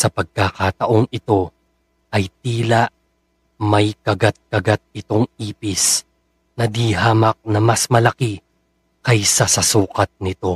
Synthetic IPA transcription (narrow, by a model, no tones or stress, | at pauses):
sɐpɐɡ̚kakat̪ɐʔo̞ŋɪt̪o̞ | ʔɐjt̪̚iːlɐʔ | mɐjkɐɡat̪̚kɐɡat̪̚ɪt̪o̞ŋiːpɪs | nɐd̪iɦaːmɐk̚nɐmɐsmɐlɐki | kɐjsɐsɐsuːkɐt̪̚nɪt̪o̞